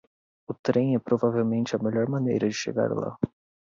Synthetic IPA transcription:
ʊt̪ɾẽj̃ɛpɾovavewmẽnt͡ʃɪɐmeʎɔɾmɐ̃nejɾɐd͡ʒɪʃḛɡa̰ɾla̰

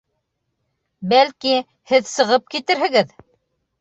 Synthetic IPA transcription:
bælki | hɘðsɤ̆ʁɤp̚kit̪ɘɾɦɘ̆ɡɘð

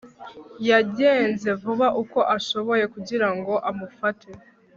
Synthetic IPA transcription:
jaɟe̞ːnze̞vuβaʔuko̞ʔaʃo̞βo̞je̞kuɟiɾaŋɡo̞ʔamufatʰe

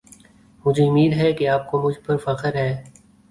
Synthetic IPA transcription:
mʊd͡ʒʱeʊmiːd̪ɦɛkeaːp̚komʊd͡ʒʱpɐɾfɐqəɾɦɛː

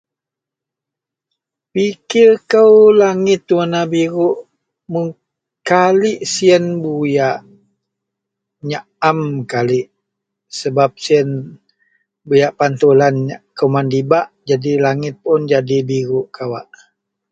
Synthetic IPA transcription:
pikɪrkəwlaŋɪt̪ːuənabiɾuʔ | muŋ | kalɪʔsiənbujaʔ | ɲa | amkaliʔ | səbap̚siən | bujaʔpant̪ulanakəwmandibaʔd͡ʒadilaŋɪt̪̚pʊnd͡ʒadibiɾuʔkʰawa̰ʔ

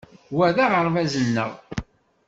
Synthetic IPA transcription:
wæðaʁəɾˤvæzənːə̰ʁ

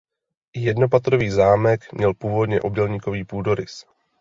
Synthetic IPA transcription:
jɛdno̞p̬at̪ɾo̞viːzaːmɛkmɲɛlpuːvo̞dɲɛ̰ʔob̚dɛlɲiːko̞viːpuːdo̞ɾɪs

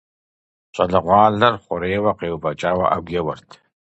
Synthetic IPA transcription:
ɕʼɐɮɨʁʷɑːɮɐrχʷʼʊɾeːwɐqeːwbɐt͡ʃʼaːwɐ̰ʔɐ̰ɡʷɛwɐrtʰ

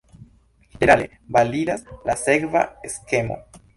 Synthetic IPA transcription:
ʝeneɾale̞̰ | balidaslasekva̰eske̞mo̞̰

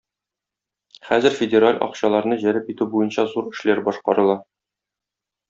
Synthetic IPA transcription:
χæzɘɾfʲɪdʲeɾalʲʔɒ̰qɕɑlˠɑɾnɤʑæɾɘpit̪ʉbujɤnɕɑzuɾɘ̆ʃlæɾbɒʃqɑɾɤ̆lˠɑ

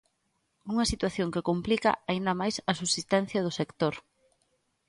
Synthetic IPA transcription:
uŋɐsit̪waθjoŋkɪkomplikɐ̰aind̪ɐmajsɐsusist̪ɛn̟θjɐð̞ʊsekt̪oɾ

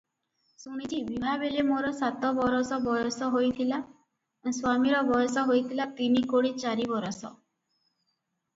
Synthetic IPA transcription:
suɽ̃it͡ʃʰibibʱabelemoɾɔsat̪ɔbɔɾɔsɔbɔjɔsɔɦojt̪ʰila | swamiɾɔbɔjɔsɔɦojt̪ʰilat̪inikoɽit͡ʃaɾibɔɾɔsɔ̰

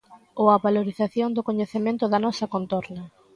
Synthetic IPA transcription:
oɐβaloɾiθaθjond̪ʊkoɲeθemẽnt̪ʊðɐnɔsɐkont̪oɾnɐ

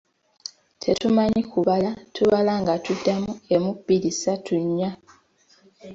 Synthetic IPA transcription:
tʰe̞tumaɲikuβalatʰuβalaŋɡatudːamue̞mupːiɾisatʰuɲːa

